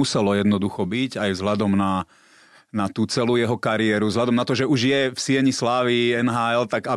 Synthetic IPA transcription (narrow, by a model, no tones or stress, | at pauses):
usɛlɔjɛd̪nɔd̪uxɔbiɟajvzɦʎad̪ɔmna | nat̪uːt͡sɛlujɛɦɔkaɾiɛɾuvzlʎad̪ɔmnat̪ɔʒɛuʒjɛfsɪɛɲislaːʋiɛnɦaːɛlt̪aɡa